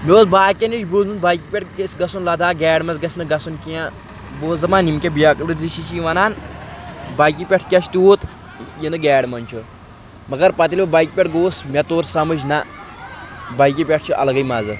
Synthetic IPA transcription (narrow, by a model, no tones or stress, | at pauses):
mʲoːsbaːkʲenit͡ʃbozunbajkipʲeʈɡɐsɡɐsunlɐd̪ʱaːɡɛːɖmɐzɡɐsʲnɨɡɐsunkijã | boːzɐmaːnimkʲebijakɨlɨziʃit͡ʃʰiʋɐnaːn | baːjkipʲɛʈʰkʲɐt͡ʃʰt̪ioːt̪ | jinɨɡɛːɖmɐnʲt͡ʃʰu | mɐɡɐɾpɐt̪ilʲbɐbajkipʲeʈɡoːsmʲɐt̪oːɾsɐmɨʃna | bajk̬ipʲɛʈʰt͡ʃʰuʔɐ̰lɐɡɐjmɐzɨ